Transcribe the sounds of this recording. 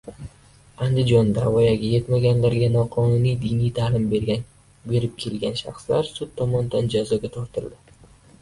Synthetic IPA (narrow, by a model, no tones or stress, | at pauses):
and̪ɪd͡ʒɒnd̪avɒjaɡʲaje̞t̪maɡʲanlaɾɡʲanɒqʰɒnʊnijd̪ijnijt̪ʰaːlɪmbeɾʲa | be̞ɾɪp̚kʲʰe̞lɡʲanʃa̰χslaɾsʊd̪t̪ʰːɒmɒnɪd̪and͡ʒazɒɡʲat̪ʰɒɾt̪ʰɪld̪ɪ